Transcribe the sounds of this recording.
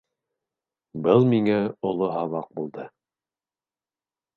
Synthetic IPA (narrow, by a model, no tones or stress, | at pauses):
bɤlˠmiŋæŏlˠoɦɑβɑq̚bulˠd̪ɤ